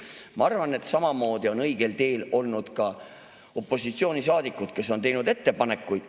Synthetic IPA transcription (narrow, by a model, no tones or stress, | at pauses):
mɑɑrvɑne̞t̪sɑmɑmo̞ːd̪̥io̞nɤ̞jɡ̥e̞lt̪e̞ːlo̞lnud̪̥kɑ | o̞pːˑo̞sit̪sio̞ːnisɑːd̪̥ikːˑut̪ke̞sːo̞nt̪e̞jnud̪e̞t̪ːe̞pɑne̞kːˑujd̪̥